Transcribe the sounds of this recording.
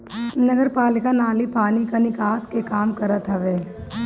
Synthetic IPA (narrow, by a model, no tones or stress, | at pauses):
nɐɡəɾpaːlɪkanaːlipaːnikanɪkaːskekaːmkɐɾət̪ɦɐʋeː